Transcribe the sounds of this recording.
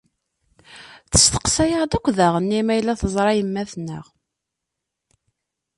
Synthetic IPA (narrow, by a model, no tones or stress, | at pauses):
θə̥st̪ə̥qsæjaʁd̪ækʷːðæʁənːimæjlːæθəzˤɾˤɑjəmːæθnːə̰ʁ